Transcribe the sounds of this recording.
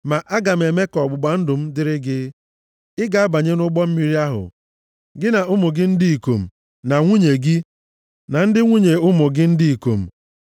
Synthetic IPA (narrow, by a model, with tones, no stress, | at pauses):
ma˨ʔa˦ɡa˨m̩˨e˨me˦kɔ˨ɡ͡bʊ˨ɡ͡ba˨n̩˦dʊ˨m̩˦dɪ˦ɾɪ˦ɡɪ˦ | ɪ˦ɡa˨a˦ba˨ɲe˦nʊ˦ɡ͡bɔ˦m̩˦mi˦ɾi˦a˦ɦʊ̰˨ | ɡɪ˦na˨ʊ˦mʊ˨ɡɪ˦n̩˦di˦i˨ko̰˨m̩˨ | na˨ŋʷu˦ɲe˨ɡi˦ | na˨n̩˦dɪ˦ŋʷu˦ɲe˨ʊ˦mʊ˨ɡɪ˦n̩˦di˦i˨ko̰˨m̩˨